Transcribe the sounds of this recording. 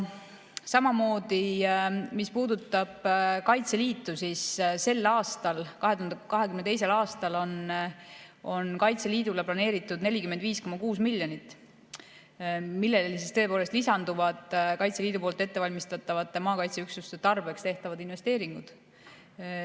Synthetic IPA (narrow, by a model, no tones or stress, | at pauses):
sɑmɑmo̞ːd̪i | mispuːd̪ut̪ˑːɑb̥kɑjt̪seliːt̪ːˑusisse̞lːɑːst̪ɑlkɑɦe̞t̪uhɑnd̪ekɑɦekymnet̪e̞js̬e̞lɑːst̪ɑlo̞n | o̞nkɑjt̪seliːd̪uleplɑne̞ːɾit̪ːˑud̪ne̞lʲikymend̪viːsko̞mːɑkuːsmilʲːjo̞nit̪ːˑ | milːe̞llisist̪ø̞polest̪lisɑnd̪uvɑd̪̥kɑjt̪se̞liːd̪upoːlt̪ːˑet̪ːe̞vɑlʲmist̪ɑt̪ːˑɑvɑt̪ːˑe̞mɑːkɑjt̪seyksust̪et̪ɑrbe̞kst̪e̞ht̪ɑvɑd̪inve̞st̪e̞ːɾiŋɡ̥ud̪̥